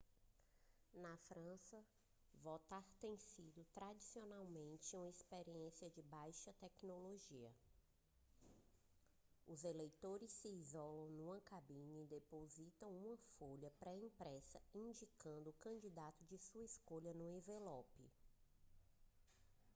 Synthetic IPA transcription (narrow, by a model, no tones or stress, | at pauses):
nɐfɾɐ̃sɐ | vɔt̪aɾt̪ẽj̃sid̪ʊt̪ɾad͡ʒisionawmẽnt͡ʃɪũmɐispeɾiẽsiɐd͡ʒɪbajʃɐt̪ɛknoloʒiɐ̰ | ʊzelejt̪oɾɪsːiːzɔlɐ̃w̃nũmɐkabĩɲɐid̪epozit̪ɐ̃w̃ũmɐfoʎɐpɾɛĩpɾɛsɐĩd͡ʒikɐ̃nd̪ʊːkɐ̃d͡ʒid̪at̪ʊd͡ʒɪsuɐiskoʎɐnuevelɔpɪ̰